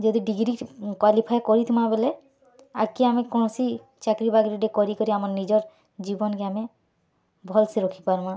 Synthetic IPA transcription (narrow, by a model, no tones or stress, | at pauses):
d͡ʒod̪iɖiɡɾikwalipʰajkɔɾit̪ʰimabele | a̰kiamekɔñɔsi | t͡ʃakɾibaɡɾiɖekɔɾikɔɾiamaɾnid͡ʒɔɾ | d͡ʒibɔnkeame | bʱɔlseɾokʰi̥paɾma